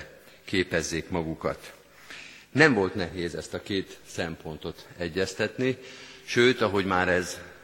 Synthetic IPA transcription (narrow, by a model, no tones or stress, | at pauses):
keːpɛzːeːkmɒɡukɒ̰t̪ | nɛɱvo̞lt̪nɛɦeːzɛst̪ɒkeːt̪sɛmpo̞nt̪o̞t̪ɛɟːɛst̪ɛt̪niʃøːt̪ɒɦo̞ɟmaːɾɛz